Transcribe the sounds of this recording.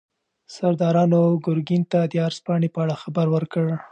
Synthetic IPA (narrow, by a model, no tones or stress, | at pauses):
saɾd̪ɑɾɑnoɡʊɾɡint̪ad̪əaɾspɑɳepəaɽaxabaɾwəɾkəɽ